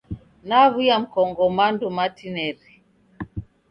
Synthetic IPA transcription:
naβujam̩kɔŋɡɔmandumatinɛɾi

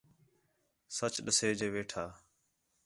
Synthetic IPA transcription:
sət͡ʃɗəseːd͡ʒeːʋeːʈʰaː

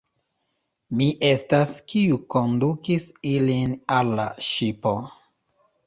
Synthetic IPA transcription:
miʔe̞staskiuko̞ndukisilinalːa̰ʃipo̞

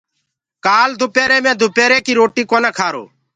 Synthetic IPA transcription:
kaːld̪ʱʊpeːɾeːmɛ̃ːd̪ʱʊpɛːɾeːkiːɾoːʈiːkoːneːkʰaːɾo̰ː

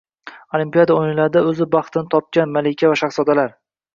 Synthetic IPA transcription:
olimpijad̪aojnɪlaɾɪd̪aɵzɪbɑχt̪ʰɪnɪt̪ʰɒp̚kʲanmalekʲʰavaʃaχsɒd̪alaɾ

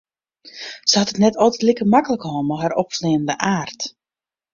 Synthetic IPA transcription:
səhɑtətnɛtʰɔlˠtətlikəmakələkəhomoɦɛɾɔpsleːnəndəʔaːrt

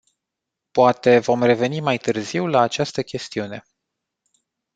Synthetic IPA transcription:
poat̪e̞vo̞mre̞ve̞nimajt̪ɨrziwlaːt͡ʃast̪əkʲe̞st̪iune̞

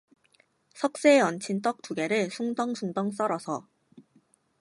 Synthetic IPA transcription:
sʰʌk̚s͈eːʌnt͡ɕʰint͈ʌk̚t͈uɡe̞ɾɯɭsʰuŋdʌŋsʰuŋdʌŋs͈ʌɾʌsʰʌ

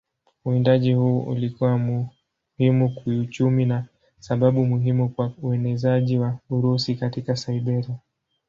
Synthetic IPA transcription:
uindaʄihuːṵlikuwamu | himukiut͡ʃumina | saɓaɓumuɦimukwauɛnɛzaʄiwauɾusikatikasaiɓɛɾia

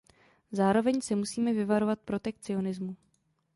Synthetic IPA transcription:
zaːɾo̞vɛɲsɪmusiːmɛvɪvaɾo̞vat̪̚pɾo̞t̪ɛk̚t͡sɪo̞nɪzmu

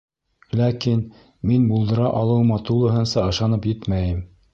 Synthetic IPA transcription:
lækin | minbulˠd̪ɤ̆ɾɑʔɑlˠɤ̆wmɑt̪ulˠɤ̆ɦɤ̆nsɑɤ̆ʃɑnɤpjɘt̪mæjɘm

